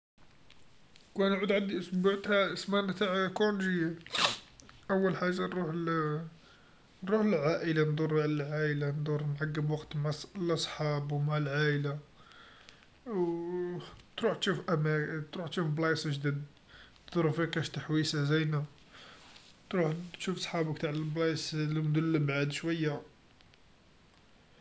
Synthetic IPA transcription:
kænʕud̪ʕand̪iʔsbʕt̪hæʔsmænt̪aʕkunʒi | ʔəwːəlħaʒːanɾuħ | nːuħəlʕaʔəland̪ˤuɾˤʕllʕaʔəland̪ˤuɾˤnʕaɡːəbwɑqt̪mʕalʔɑsˤħɑbwmaʕalʕaʔla | w | t̪ɾuħt̪ʃufʔæmæt̪ɾuħt̪ʃufblɑjsʒd̪id̪ | nd̪̥uɾˤfikæʃt̪aħwisazæjnæ | t̪ɾuħt̪ʃufsˤħɑbəkt̪aʕllblɑjslmd̪ʊlːbʕad̪ʃwəjːa

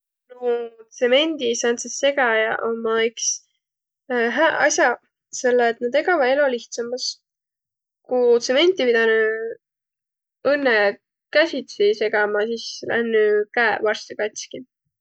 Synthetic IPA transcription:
nout̪se̞me̞nʲd̪isɑnsesːe̞ɡ̥ɑjɑʔomːɑyks | ɦæʔɑ̰sjɑ | se̞lːeːt̪ːˑnɑd̪e̞ɡɑvɑd̪e̞lo̞liht̪sɑmːɑs | kut̪se̞me̞nʲt̪ipid̪̥ɑny | ɤnːe | kæsʲit̪sise̞ɡ̥ɑmɑsislʔæ̰nːykæevɑrst̪ekɑt̪ʲski

